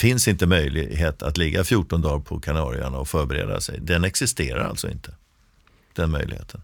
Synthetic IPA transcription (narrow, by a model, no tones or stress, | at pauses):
fɪnsɪnt̪əmœjlɪɦeːt̪ʰat̪lɪɡːafjuːʈːɔnd̪ɑːɾpʰɔkʰanɑːɾɪaɳaɔfœːɾbɛɾḛːd̪a̰sɛ̰jd̪ɛnɛksɪst̪eːɾa̰ɾa̰lt̪sɔɪ̰nt̪ʰə̥ | d̪̥ɛnmœ̰jlɪɡheːt̪ʰən